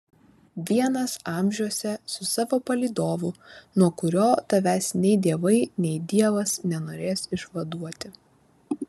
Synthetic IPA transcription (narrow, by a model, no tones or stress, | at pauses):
ʋʲiɛnɐsɑˑmʲʒʲuɔsʲɛsʊsɑːʋoːpɐlʲiːd̪oːʋʊnuɔkʊɾʲoːt̪ɐʋʲæːsʲnʲɛɪd̪ʲiɛʋɐɪnʲɛɪd̪ʲiɛʋɐsnʲɛnoːɾʲeːsɪʃʋɐd̪uɔt̪ʲɪ